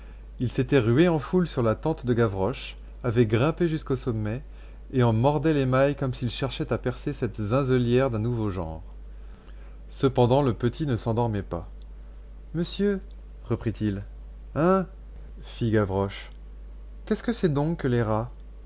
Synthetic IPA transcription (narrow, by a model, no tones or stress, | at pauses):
ilset̪ɛʁyeɑ̃fulsyʁlat̪ɑ̃t̪d̪əɡavʁɔʃ | avɛɡʁɛ̃peʒyskosɔmːɛ | eɑ̃mɔʁd̪ɛlemajkɔmsilʃɛʁʃɛt̪apɛʁsesɛt̪zɛ̃zɔljɛʁd̪ɛ̃nuvoʒɑ̰̃ʁ | səpɑ̃d̪ɑ̃ləpət̪ʰinəsɑ̃d̪ɔʁmɛpa | məsjø | ʁəpχit̪ʰil | ɛ̃ | fiɡavʁɔʃ | kʲɛskəsɛd̪ɔ̃kːəleʁa